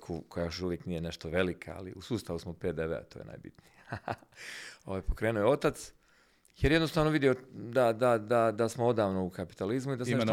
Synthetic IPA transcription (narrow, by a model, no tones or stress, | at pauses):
kʰukojajoʃʃuʋjeknijene̞ʃt̪oʋe̞likʰa̰a̰lḭʔusuːst̪aʋusmopeːd̪eʋḛa̰t̪oːjena̰jbḭt̪nija | o̞ʋajpo̞kɾe̞ːnujeo̞t̪at̪s | jeɾjed̪nost̪aːʋnoʋid̪iod̪ad̪ad̪ad̪asmoo̞d̪aːʋnoukapi̥t̪alizmuid̪asmnee